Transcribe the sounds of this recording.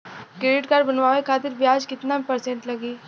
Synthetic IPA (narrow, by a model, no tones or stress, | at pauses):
kɾeːɖɪʈkaɾbɐnʋaːʋekʰaːt̪̬ɪɾbjaːd͡ʒkɪt̪napɐɾsẽɳʈlɐɡiː